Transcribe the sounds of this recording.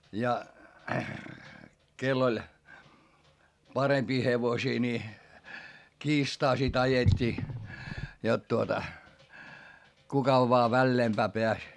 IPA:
jɑ kelː olʲ pɑrempiː heʋosiː ni kiːstɑː sit ɑjetʲːiː jot tuotɑ kukɑ ʋoɑ ʋælːeːmpæː peæs

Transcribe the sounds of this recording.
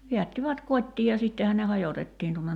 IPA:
ʋiætːiʋæt kotʲtiː jɑ sitːehæn ne hɑjotetːiːn tuonːen

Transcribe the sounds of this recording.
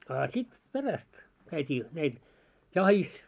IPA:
ɑˑ sit peræst kæitʲiː næil jɑhis

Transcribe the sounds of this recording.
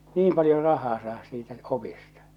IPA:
niːm pɑljo rɑhɑː sɑːhɑs siːtæ opistɑ

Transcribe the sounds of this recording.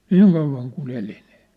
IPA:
niːŋ kɑuʋˑɑŋ kun eli ni̥ː

